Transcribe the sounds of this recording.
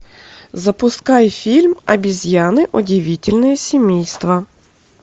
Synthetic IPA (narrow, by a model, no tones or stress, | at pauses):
zɐpʊskɑjfʲilʲmɐ̰bʲizʲjɑnɪʔɔdʲiʋʲitʲilʲnɛjɛsʲimʲijst̪ʋɐ